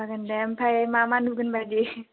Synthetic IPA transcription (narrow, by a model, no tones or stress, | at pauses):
akandɛmpʰajmamanukənbad͡ʒi